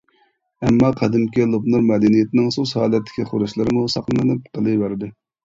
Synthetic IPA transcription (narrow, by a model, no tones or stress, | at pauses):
ɛmːɑqʰɑd̪ɪmkʲilˠopnuɾmɛd̪ɛnijet̪ʰɪnɪŋsushɑːlˠɛt̪ʰːɪ̥kʲʰiχʊɾɨʃlˠɨɾɨmusɑqlˠɨnɨnɨp̚qʰəlˠɨbæɾd̪ɨ